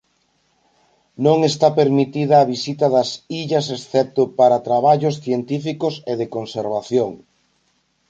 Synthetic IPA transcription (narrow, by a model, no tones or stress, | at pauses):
nõŋest̪apeɾmit̪iðɐːβisit̪ɐðɐsiʎɐs̬esθɛp̚t̪ʊpaɾɐt̪ɾaβaʎosθjent̪ifikoseðekonseɾβaθjoŋ